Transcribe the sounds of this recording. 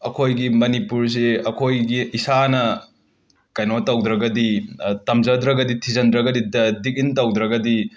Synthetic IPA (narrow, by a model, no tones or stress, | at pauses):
ɐkʰojɡimɐnipuɾs̬eɐkʰojɡiːsanɐ | kɐjnotːɐwd̪ɾɐɡɐditɐmzɐd̪ɾɐɡɐditʰizɐndɾɐɡɐdidik̚intɐwd̪ɾɐɡɐdi